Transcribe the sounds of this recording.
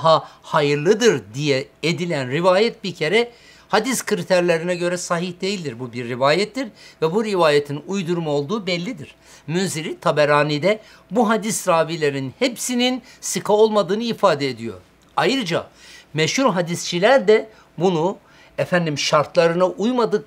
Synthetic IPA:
ɦahajɯɾlˠɯd̪ɯɾd̪ijɛed̪ilʲænɾivaːjɛt̪̚biɾcʰe̞ɾɛ | had̪iskʰɯɾit̪ʰæɾlʲeɾinɛɟø̞ɾɛsaɦihd̪e̞jilʲd̪iɾbubiɾːivaːjɛt̪ʰːiɾvɛbuɾivaːjet̪ʰinujd̪uɾmao̞lˠd̪uːbɛlʲːid̪iɾ̥ | mynziɾit̪ʰabɛɾaːnid̪ɛ | buɦad̪isɾaːvilʲe̞ɾinhepsininsɯkʰao̞lˠmad̪ɯːnɯifaːd̪ɛed̪ijo̞̰ɾ | ajɾɯd͡ʒa̰mɛʃhuɾɦad̪ist͡ʃʰilʲæɾd̪ɛ | bunu | efænd̪imʃaɾt̪ʰlˠaɾɯnaʔujmad̪ɯk

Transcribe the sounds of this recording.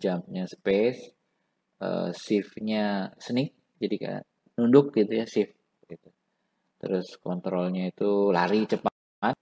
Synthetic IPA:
d͡ʒamɲaspes | ə̰sɪfɲasənɪk̚ | d͡ʒadika̰a̰ | nundʊk̚ɡit̪ujasɪf | ɡ̥it̪u | t̪əɾʊskɔnt̪ɾɔlɲait̪ula̰ɾit͡ʃəpa | a

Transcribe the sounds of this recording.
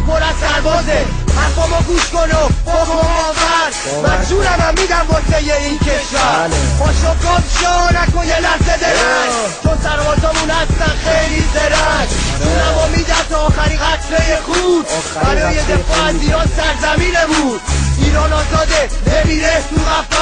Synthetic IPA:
pʰoɾæzsæɾbɒːze | hæɾbɔːmɔːɡuːʃkonoboxomɒːvæɾ | mæd͡ʒuːnæmæmːiːd̪æmbɒːsejeiːncʰeʃvæɾɒːʃob̚ɡɒːt̪ʃɒnækonjelæzed̪eɾæ | t͡ʃʰonsæɾvɒːzɒːmunhæst̪ænxejlid̪eɾæt͡ʃuːnæmɔmiːd̪ænt̪ʰɔːxæɾiɡæt̪ʰɾejexud̪ | bæɾɒːjed̪efɒːæzd̪iːɾɒːzsæɾzæmiːnebud̪̥iːɾɒːnɒːzɒːd̪enemiːɾet̪ʰuɣæf

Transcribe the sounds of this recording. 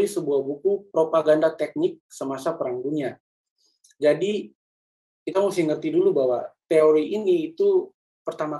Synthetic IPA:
isəbuahbukupɾopaɡandat̪ɛk̚nɪk̚səmasapəɾaŋɡuɲa | d͡ʒadi | kit̪amusɪhŋərt̪idulubawat̪eoɾiiniːt̪u | pərt̪ama

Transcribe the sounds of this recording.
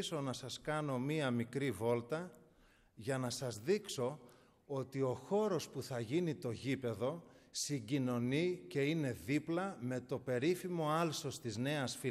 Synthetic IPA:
so̞nɐsɐskɐno̞miɐmikɾivo̞lt̪ɐ | ʝɐnɐsɐzðikso̞ | o̞t̪io̞xo̞ɾo̞spuθɐʝinit̪o̞ʝipe̞ðo̞siɟino̞nice̞ine̞ðiplɐme̞t̪o̞pe̞ɾifimo̞ɐlso̞st̪izne̞ɐsfi

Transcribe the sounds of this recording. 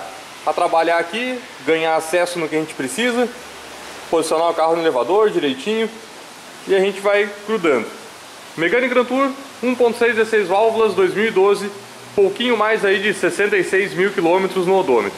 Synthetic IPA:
at̪ɾabaʎaaki | ɡɐ̃ɲaasɛsʊnʊkɪaʒẽnt͡ʃɪ̥pɾesizɐ | pozisionaʊkaɦʊnelevad̪oɾd͡ʒiɾejt͡ʃĩɲʊ | ɪaʒẽnt͡ʃɪvajkɾud̪ɐ̃nd̪ʊ | meɡɐ̃nɪ̃ɡɾɐ̃nt̪uɾ | ũpõñt̪ʊ̥sejzd͡ʒzesejzvawvʊlɐzd̪ojzmiwid̪ozɪ | powkĩɲʊmajzaid͡ʒɪsesẽnt̪ejsejzmiwkilõmet̪ɾʊznʊod̪omet̪ɾʊʊ

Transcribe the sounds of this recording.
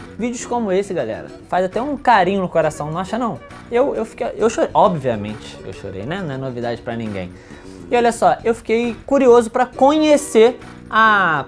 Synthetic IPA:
vid͡ʒʊskõmʊesɪɡalɛ̰ɾɐ̰fajzat̪ɛũkaɾĩɲʊnʊkoɾasɐ̃w̃nɐ̃w̃aʃɐnɐ̃w̃ | ewewfi̥kejewʃoɾeʔɔbviɐmḛ̃nt͡ʃɪ̥ḛwʃo̰ɾḛjnɛnɐ̃w̃ɛnovid̪ad͡ʒɪpɾɐnĩɡḛ̃j̃ | ɪɔʎʲɐsɔewfi̥kejkuɾiozʊpɾɐkõɲeseɾ | a

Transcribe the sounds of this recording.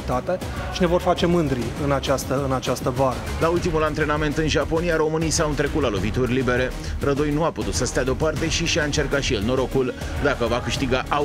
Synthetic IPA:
t̪at̪e̞ | ʃine̞vo̞rfat͡ʃe̞mɨnd̪ɾiɨnat͡ʃast̪əɨnat͡ʃast̪əvaɾə | lault̪imulant̪ɾe̞name̞nt̪ɨnʒapo̞nijaɾo̞mɨnijsawɨnt̪ɾe̞kut̪lalo̞vit̪urʲlibe̞ɾe̞ | ɾəd̪ojnuaput̪ut̪səst̪ead̪eo̞part̪e̞ʃiʃiaɨnt͡ʃe̞rkat̪ʃijelno̞ɾo̞kul | d̪akəvakɨʃt̪iɡaʔa

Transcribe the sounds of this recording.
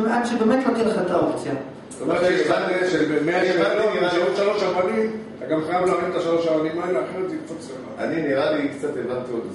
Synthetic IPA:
mʔadʃebemet̪lot̪ileχat̪aopt͡sija | st̪omeʁʃeevateʃelbemeaivalomʃeodʃalo̞ʃaʁwanim | t̪aɡamχajavleaʁinet̪aʃalo̞ʃaʁwanimaeluleaχinot̪ikt͡sat̪semaa̰niniʁalikt͡sat̪evant̪iod̪z

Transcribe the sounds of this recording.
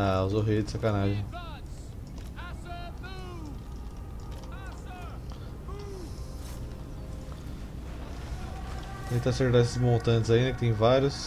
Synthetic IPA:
wzoɦejd͡ʒɪsakanaʒẽ | ẽj̃t̪aseɾd̪ɛsɪzmõt̪ɐ̃nt͡ʃ̪ɪzaĩd̪ɐkɪt̪ẽj̃vaɾjʊs

